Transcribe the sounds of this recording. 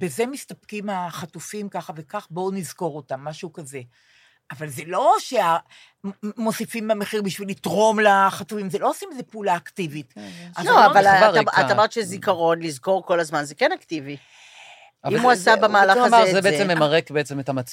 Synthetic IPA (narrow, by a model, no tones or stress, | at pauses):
be̞ze̞mistap̚kimaχatufimkaχave̞kaχbo̞nizko̞ʁotamːaʃukaze̞ | avalze̞lo̞ʃea | mo̞sifimːeameχiʁbiʃvilitʁo̞mlaχatufimzelo̞osimezepeːlaːktivitʔazavalaaat̪amaʁt̪ʃezikaʁo̞nlizko̞ʁko̞lazmanzekenaktivi | imuasabemaːlaaazebeet͡semːemaʁekbeet͡semetamat͡s